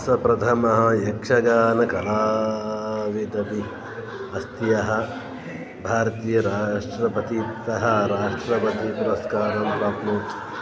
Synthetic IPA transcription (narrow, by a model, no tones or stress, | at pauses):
sɐpɾɐt̪ʰɐmɐɦɐ̆jekʂɐɡaːnɐkɐlaː | ʋid̪ɐbi | ɐst̪ijɐɦɐ̆ | bʱaːɾɐt̪iːjɐɾaːʂʈɾɐpɐt̪isɐɦɐɾaːʂʈɾɐpɐt̪ipuɾɐskaːɾɐmpɾaːpnuːt̪